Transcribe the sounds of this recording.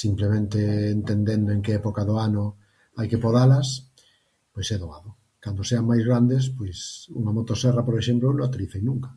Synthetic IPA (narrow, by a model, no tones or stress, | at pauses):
simplemẽnt̪eːnt̪end̪end̪oeŋkeɛpokaðoanʊ | ajkepoðalɐs | pojsɛðoaðʊ | kand̪oseaŋmajzɣɾand̪espojsṵŋamot̪osɛrapoɾeʃemploenõat̪iliθejnũŋkḁ